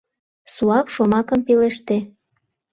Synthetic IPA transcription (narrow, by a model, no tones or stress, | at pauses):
suɑpʃomɑkə̆mpeleʃt̪e